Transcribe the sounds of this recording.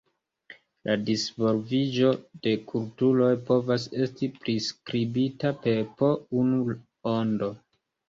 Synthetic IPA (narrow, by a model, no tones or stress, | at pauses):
lʔadisvo̞lvid͡ʒo̞d̥e̞kʰultulo̞jpo̞vas̬e̞stipɾiskɾibitape̞po̞unu | ondo̞